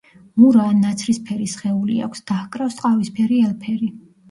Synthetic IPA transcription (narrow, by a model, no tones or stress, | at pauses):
muɾaːnːat̪sʰɾispʰɛɾisχɛulḭa̰kʷʰsd̪̥ahkʼɾafst̪ʼqʼavispʰɛɾiɛlpʰɛɾi